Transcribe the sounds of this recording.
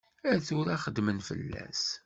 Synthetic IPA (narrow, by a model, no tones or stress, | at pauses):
æɾθʊɾæχəd̪mənfə̰lːæ̰s